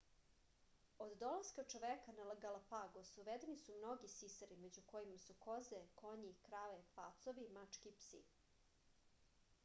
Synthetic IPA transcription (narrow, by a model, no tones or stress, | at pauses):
od̪ːo̞lˠaskat͡ʃoʋekanalaɡalapaɡosuʋed̪enisumno̞ɡisisaɾimed͡ʑuko̞jimasuko̞zeko̞ɲikɾaʋepat̪soʋimat͡ʂkʲipsḭ